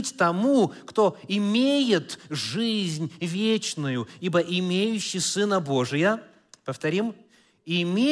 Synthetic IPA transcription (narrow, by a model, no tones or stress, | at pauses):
tʲt̪ɐmukt̪o̞ɪmʲejɪt̪ʐɨzʲnʲvʲet͡ɕnʊjʊibəʔɪmʲejʉɕːɪjsɨnəbo̞ʐɨjə | pəft̪ɐɾʲim | ɪmʲe